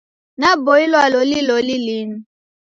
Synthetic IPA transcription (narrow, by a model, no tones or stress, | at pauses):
naboilwalolilolilinu